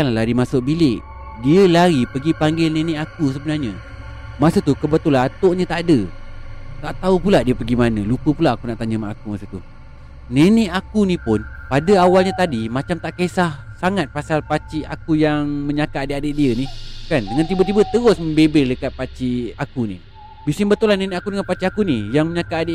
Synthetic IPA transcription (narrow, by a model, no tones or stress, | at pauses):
anllaɾimasʊʔ̚bilɪʔ | diəlaɾipəɡipaŋɡɪlnenɪʔakus̬əbənarɲa | masət̪ukəbət̪olat̪oʔɲə̃t̪aʔadə | t̪aʔt̪aupulaʔdiəpəɡimanə̃lukəpulaʔakunaʔt̪aɲəmaʔakumasət̪u | nenɪʔakunipʊnpadəawalɲat̪adimat͡ʃamt̪aʔkesah | saŋat̪̚pasalpat͡ʃiakujaŋməɲakaʔadeʔadeʔdiənikandəŋant̪ibət̪ibət̪əɣʊsməmbebɪlləkat̪̚pat͡ʃiakunḭ | bisimbət̪ulanenɪʔakudəŋanpat͡ʃiʔakunijaŋməɲakaadeʔ